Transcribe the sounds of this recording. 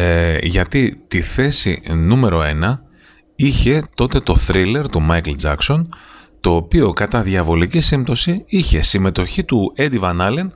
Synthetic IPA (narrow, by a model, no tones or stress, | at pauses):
ʝɐt̪it̪iθe̞sḭnume̞ɾo̞e̞nɐ | içe̞t̪o̞t̪e̞t̪o̞θɾile̞ɾt̪umɐjkld͡zɐkso̞nt̪o̞ːpio̞kɐt̪ɐðʝɐvo̞licisimt̪o̞siiçe̞sime̞t̪o̞çit̪ue̞d̪ivɐnɐle̞n